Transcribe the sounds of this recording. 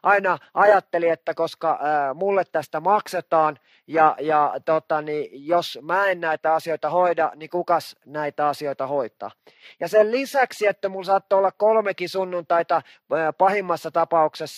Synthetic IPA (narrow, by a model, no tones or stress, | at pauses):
ʔɑinɑʔɑjɑt̪ːeliet̪ːækoskɑmulːet̪t̪æst̪æmɑkset̪ɑːn | jɑjɑt̪ot̪ɑnijosmæennæit̪æɑsioit̪ɑhoidɑnikukɑsnæit̪æɑsioit̪ɑhoit̪ˑɑ̰ː | jɑsellisæksiet̪ːæmulsɑːt̪ːoolːɑkkolmekisunːunt̪ɑit̪ɑ | pɑhimːɑsːɑt̪ɑpɑuksesː